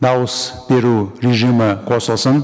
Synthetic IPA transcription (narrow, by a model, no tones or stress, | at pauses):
d̪ɑwəsb̥e̞ɾuɾeʒimɪqʰosəlˠsən